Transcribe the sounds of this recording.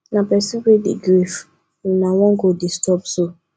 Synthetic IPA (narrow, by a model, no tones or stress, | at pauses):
nãpɛsikidḭɡɾif | ĩnãwɔ̃ŋɡodistɔbso